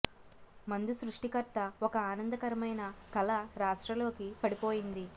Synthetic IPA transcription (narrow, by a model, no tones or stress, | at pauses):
mɐnd̪usɾuʂʈikɐɾt̪ːɐɔkɐaːnɐnd̪ɐkɐɾɐmɐjnɐkɐlɐɾaːʂʈɾɐlo̞ːkipɐɽipo̞ːjind̪i